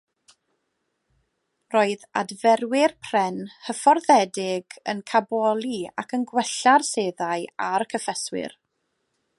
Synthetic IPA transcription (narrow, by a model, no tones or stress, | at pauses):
roːɨða̰dvɛrwɪrpʰr̥ɛnhəfɔrðɛdɪɡə̰nkʰabɔlˠia̰kənɡwɛɬarseːðaɨaɾkʰəfɛswɪ̰r